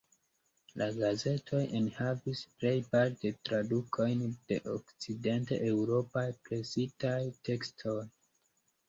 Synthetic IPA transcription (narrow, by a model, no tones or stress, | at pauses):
laɡaze̞tʰo̞jenhavisple̞jpaɾtetɾadukʰo̞jnd̥e̞ʔokt͡side̞ntḛʔewɾo̞pajpɾe̞sitajte̞kstʰo̞j